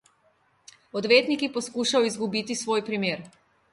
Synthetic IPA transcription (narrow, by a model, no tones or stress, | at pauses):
ɔd̪ʋeːt̪nikipɔskuʃawizɡubiːt̪isʋoːjpɾimeːɾ